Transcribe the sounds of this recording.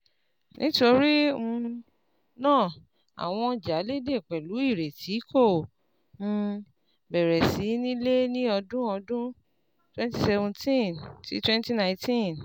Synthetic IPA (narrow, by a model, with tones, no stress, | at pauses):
nʔĩ˦to˧ɾi˦ũ˧ | nãː˦˨ | a̰˨w̃ɔ̃˧d͡ʒa˨˦le˦de˦˨k͡pɛ˨lu˨˦i˦˨ɾe˨tʰi˨˦kʰõ˦˨˧ | bɛ˨ɾɛ˨si˨˦nĩ˦le˦nĩ˦ɔ˧dũ˦ɔ˧dũ˦ | twɛ̃˦nti˦sɛ˧vũ˧tʰĩ˦ntḭ˦twɛ̃˦nti˦nã˨˧ĩ˦tĩ˦n